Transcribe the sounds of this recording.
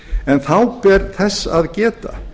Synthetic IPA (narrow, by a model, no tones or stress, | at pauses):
ɛnθawpɛɾθɛsːaðcɛːt̪a̰